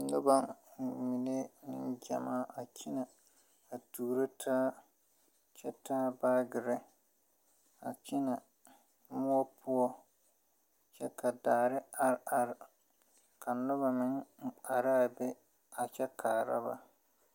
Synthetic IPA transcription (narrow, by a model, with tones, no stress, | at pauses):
nʊ˦ba˨mi˨ne˦nɪ˦nd͡ʒa̰˨maː˦ʔa˨ki˦na˨ | a˨tuː˨ɾɪ˦tʰaː˦ | t͡ʃɛ˦taː˦baː˦ɡɪ˨ɾɪ˦ | a˨t͡ʃi˦na˨ | mʊ˦ɔ˦pʰʊ˦ɔ˦ | t͡ʃɛ˦ka˨daː˨ɾɪ˦a˦ɾa˦ɾ | ka˨nʊ˦ba˨mɪ˦ŋŋ͡m̩˦˨k͡pa˨ɾa˦a˨bɛ˦ | a˨t͡ʃɛ˦kʰaː˨ɾa̰˦ba̰˨